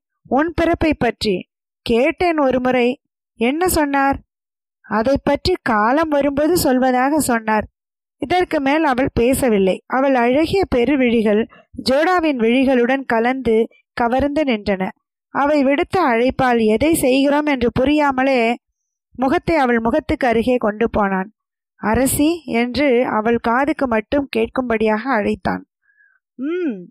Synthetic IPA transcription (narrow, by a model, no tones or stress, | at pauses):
ʊnpɪɾɐpːɐɪpːɐʈri | keːʈːeːnɔɾɯmʊɾɐɪ | ɛnːɐsɔnːaːɾ | ɐðɐɪpːɐʈrikaːlɐmʋɐɾɯmboðɯsɔlʋɐðaːɣɐsɔnːaːɾ | ɪðɐrkɯmeːlɐʋɐɭpeːsɐʋɪlːɐɪʔɐʋɐɭɐɻɐɣɪjɐpɛɾɯʋɪɻɪɣɐɭ | d͡ʒoːɽaːʋɪnʋɪɻɪɣɐɭɯɽɐnkɐlɐnd̪ɯ | kɐʋɐɾnd̪ɯnɪndrɐnɐ | ʔɐʋɐɪʋɪɽɯt̪ːɐːɻɐɪpːaːlɛðɐɪsɛjɣɪɾoːmɛndrɯpʊɾɪjaːmɐleː | mʊɣɐt̪ːɐɪɐʋɐɭmʊɣɐt̪ːɯkːɯɐɾɯɣeːkɔɳɖɯpoːnaːn | ɐɾɐsiɛndrɯɐ̰ʋɐɭkaːðɯkːɯmɐʈːɯmkeːʈ̚kɯmbɐɽɪjaːɣɐːɻɐɪt̪ːa̰ːn